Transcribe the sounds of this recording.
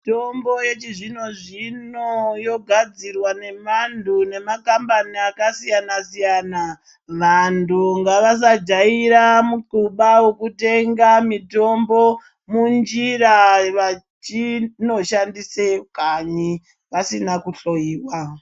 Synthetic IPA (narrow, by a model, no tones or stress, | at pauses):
tombo̞je̞t͡ʃiʐino̞ʐinojo̞ɡʱad͡zirwane̞mantune̞makambaniakasijanasijana | ʋantuŋɡaʋas̬ad͡ʒaiɾamukuɓawokute̞ŋɡamito̞mbo̞ | mund͡ʒiraʋa | t͡ʃino̞ʃandisekaɲi | ʋasinakuɬo̞jiːwa